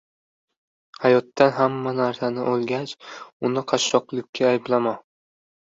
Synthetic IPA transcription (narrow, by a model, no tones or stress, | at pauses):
hajɒt̪ːanɦamːanaɾsanɪʔolˠɡʲat͡ʃʊnɪqʰɑʃːɒqlˠɪk̚ʲkʲʰːaːjɪblama